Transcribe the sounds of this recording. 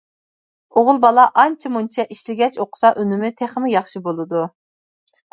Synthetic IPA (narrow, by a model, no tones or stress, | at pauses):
oʁʊlˠbɑlˠɑʔɑnt͡ʃʰimunt͡ʃʰɛʔiʃlɪɡʲɛt͡ʃoqʰʊ̥sɑʔønɪmɪt̪ʰeχmɪjɑχʃibolˠɨd̪u